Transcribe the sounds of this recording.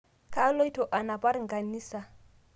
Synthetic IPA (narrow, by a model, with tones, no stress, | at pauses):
kʰa˦lo˦i˦tʰɔ˨ʔa˨na˨pʼa˦ɾi˨ŋɡa˨ni˦sa˨